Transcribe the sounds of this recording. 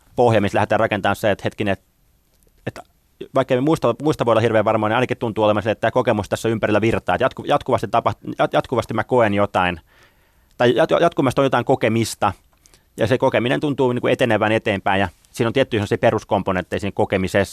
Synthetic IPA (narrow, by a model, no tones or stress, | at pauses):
pohjɑmist̪læhet̪æːrrɑkent̪ɑːnseet̪het̪kineet̪ | et̪ | ʋɑikːeimmuist̪ɑmuist̪ɑʋoˑilɑhirʋeːʋʋɑrmoɑːniɑˑinɑkit̪unt̪ˑuːolemɑnsiːet̪ːæːkokemust̪æsːæympærilːæʋirt̪ɑːt̪jɑt̪kujɑt̪kuʋɑst̪it̪ɑpɑhtjɑjɑt̪kuʋɑst̪imækoenjot̪ɑin | t̪ɑijɑjɑt̪kumɑst̪onjot̪ɑˑiŋkokemist̪ɑ | jɑ̰sekokeminḛnt̪unt̪uːniːŋkuet̪eneʋæːnet̪eːmpæinjɑ | siːnont̪iet̪ːyiːsemːsiːperuskomponent̪ːeisiːnekokemises